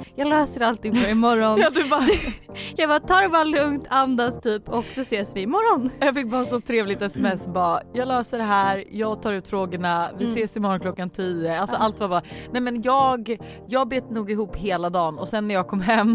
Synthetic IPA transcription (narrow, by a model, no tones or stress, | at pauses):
jɑːɡløːsəɾalt̪ɪŋfɔɾɪmɔɾːɔnd̪ | jɑːɡbɑːt̪ʰɑːɾɛbɑːɾalɵŋt̪ʰand̪ast̪ʰyːpʰɔksɔseːsvɪːmɔɾːɔnjɑːfɪk̚ːbɑːsɔt̪ʰɾeːvlɪt̪ɛsɛmɛsːbɑːjɑːɡlœːsəɖɛɦæːɾjɑːɡt̪ʰɑːɾʉ̟ːt̪fɾoːɡəɳavɪseːsɪmɔɾɔnkʰlɔkːant̪ʰiːəalsɔalt̪vabɑːnɛjmɛnjɑːɡ | jɑːɡ̚beːt̪nuːɡɪɦuːpːheːlad̪ɑːnɔ̰sɛnːæɾjɑːɡkʰɔmːɦɛmː